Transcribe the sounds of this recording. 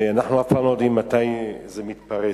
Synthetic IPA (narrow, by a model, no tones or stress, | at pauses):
anaχnuafalɔd̪inmat̪ajzemit̪paɾe